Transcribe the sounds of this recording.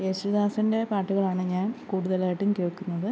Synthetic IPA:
esuðaːsɐnde̞paːʈːuɣɐɭaːɳɨɲaːnkuːɽuðɐlaːjiʈːumkeɭkːunːɐðɨ

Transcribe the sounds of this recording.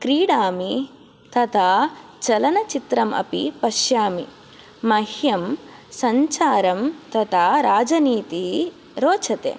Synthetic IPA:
kɾiːɽaːmi | t̪ɐt̪ʰaːt͡ʃɐlɐnɐt͡ʃit̪ɾɐmɐ̰pḭpɐʃjaːmiː | ɐhjɐmsɐɲt͡ʃaːɾɐmt̪ɐt̪ʰaːɾaːd͡ʒɐniːt̪i | ɾoːt͡ʃɐt̪ḛː

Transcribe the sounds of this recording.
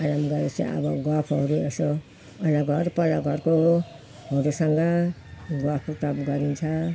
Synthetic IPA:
aɾamɡʌɾesʰḭʌ̰bʌɡwapʰɦʌɾueso | ʌlaɡʱʌɾpʌɾaɡʱʌɾko | ɦʌɾusʌŋɡʌ | ɡwapʰkoʈʌpɡʌɾint͡sʰʌ

